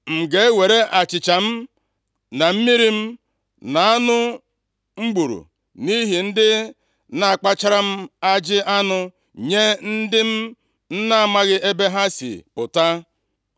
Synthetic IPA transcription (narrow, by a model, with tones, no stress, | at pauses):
ŋ͡m̩˨ɡe˨˦we˨ɾe˦ʔa˨t͡ʃɪ˨t͡ʃa˨m̩˦ | na˨m̩˦mi˦ɾi˦m̩˦ | na˨a˦nʊ˦ | ŋ͡m̩˦ɡ͡bu˨ɾṵ˨ | ni˦ɦi˨n̩˦dɪ˦ | na˨a˨k͡pa˦t͡ʃa˦ɾa˦m̩˦a˦d͡ʒɪ˦ʔa˦nʊ˦ | ɲe˦n̩˦dɪ˦m̩˦ | n̩˦na˦a˨ma˦ɣɪ˦ʔe˦be˦ɦa˦sḭ˨pʊ˨ta˦